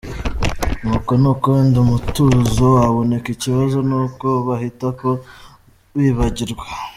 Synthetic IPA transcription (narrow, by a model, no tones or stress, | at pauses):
nuːko̞nuːkondumutuzoaβo̞ne̞kiciβazo̞nuːko̞βahitako̞ | βiːβaɟiɾɡwe